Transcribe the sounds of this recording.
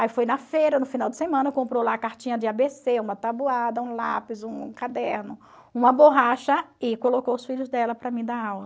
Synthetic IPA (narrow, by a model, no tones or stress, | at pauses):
aifojnɐfejɾɐnʊfinawd̪ɪsemɐ̃nɐkõmpɾolaɐkaɾt͡ʃĩɲɐd͡ʒ̪ɪabeseũmɐt̪abuad̪ɐũlapɪzũkad̪ɛɾnʊ | ũmɐboɦaʃɐɪkolokowʊsfiʎʊzd̪ɛlɐpɾɐmĩd̪aawlɐ